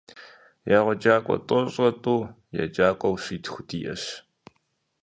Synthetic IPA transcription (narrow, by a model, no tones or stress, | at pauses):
jaːʁʷɔd͡ʒaːkʷʼɔ̰tʼɔɕʼɐtʼuː | ja̰d͡ʒaːkʷʼɔwɕiːtʰxʷʊdiːʔɐ̰ɕ